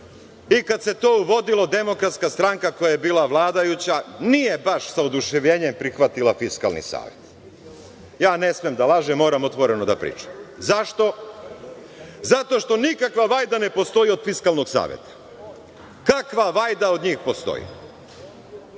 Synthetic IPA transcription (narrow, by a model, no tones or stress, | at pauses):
ikad̪se̞t̪o̞ːuʋo̞d̪ilo̞d̪e̞mo̞kɾat̪skast̪ɾaŋkako̞jajebiːlˠaʋlˠaːd̪ajut͡ɕanije̞baʃsaod̪uʃeʋʎeːɲempɾixʋat̪ilafiska̰lnḭsa̰ːʋjet̪ | jaːnesmijemd̪alaʒemːo̞ːɾamot̪ʋo̞ɾenod̪a̰pɾḭːt͡ʃḁmzaʃt̪o̞ | zat̪o̞ʃt̪o̞nikakʋaʋaːjd̪ane̞po̞st̪o̞io̞d̪̥fiskalno̞ɡsa̰ːʋjḛt̪ḁ | kakʋaʋajd̪ao̞d̪ɲiːxpo̞st̪o̰jḭ